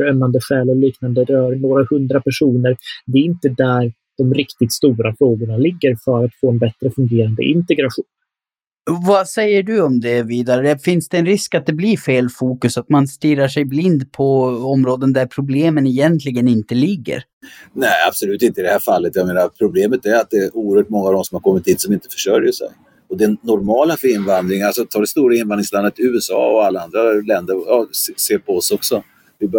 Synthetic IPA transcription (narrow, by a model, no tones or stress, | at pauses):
œmːand̪əɧɛːlɔliːknand̪əɾœːɾnoːɾahɵnd̪ɾapæʂuːnəɾd̪ɛɾɪnt̪əd̪æɾ | d̪̥ɔmɾɪkt̪ɪt̪st̪uːɾafɾoːɡʊɳalɪɡːəɾfœɾat̪foːɛnbɛt̪ɾəfɵŋɡeːɾand̪ə̰ʔɪnt̪ɛɡɾaɧuːn | vasɛjːəɖɵɔmd̪ɛviːd̪aɾəfɪnsd̪ɛːnɾɪskat̪̚d̪ɛbliɾfeːlfuːkɵsat̪manst̪iːɾaʂɛjblɪnd̪pʰɔɔmɾoːd̪ənd̪æɾpʰɾʊbleːmənɛjɛnt̪ʰlɪɡənɪnt̪əlɪɡːə̰ɾ | næɪa̰b̥sɔlʉːt̪ɪnt̪əɪd̪ɛhæːɾfalːət̪jameːnaɾpʰɾʊbleːmət̪æɾat̪̚d̪ɛʔuːəɾhœːʈ̚mɔŋːavd̪ɔmsɔmhaɾkʰɔmːɪt̪hiːt̪sɔmɪnt̪ə̥fœ̥ʂœɾjəʂɛ̰j | ɔd̪ɛːɔɾmɑːləfœɾɪnvand̪ɾɪŋalsɔt̪ʰɑːɖɛst̪uːɾaɪnvanɾɪŋsland̪ət̪ʉ̟ːɛsɑ̰ːɔ̰alːaand̪ɾalɛnd̪əɾsseːɾpʰɔɔsɔksɔ | vɪb